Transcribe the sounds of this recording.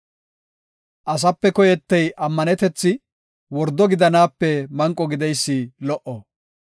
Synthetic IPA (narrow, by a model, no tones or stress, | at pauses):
ʔɐs̬ɐpːɛkɔjɛt̪ːɛjʔɐmːɐnɛt̪ɛt͡sːɪ | wɔɾd̪ɔɡɪd̪ɐnaːpːɛmɐŋkʼːɔɡɪd̪ɛjsːɪlɔʔɔ